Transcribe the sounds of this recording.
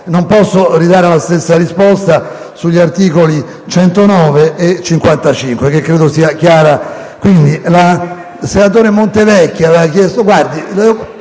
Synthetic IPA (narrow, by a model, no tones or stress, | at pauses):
nompɔsːorid̪aːɾelast̪esːarispɔst̪a | suʎːart̪iːkoli | t͡ʃɛnt̪onɔːveet͡ʃːiŋkwant̪at͡ʃiŋkwek̟ekːɾeːd̪osiːakjaːɾa | kwind̪ila | senat̪oːɾemont̪evɛkːjaveakjɛst̪oɡward̪ilɛ